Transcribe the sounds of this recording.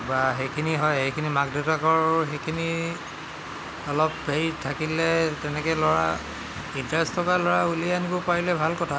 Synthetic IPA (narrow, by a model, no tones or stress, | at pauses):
baɦejkʰiniɦɔjejkʰinimaɡditakɔɹxejkʰini | ɔlɔp̚ːejtʰakilɛtɛnɛkɛlɔɹa | intɹɛstʰɔkalɔɹaulijanibɔpaɹilɛbʱalkɔtʰa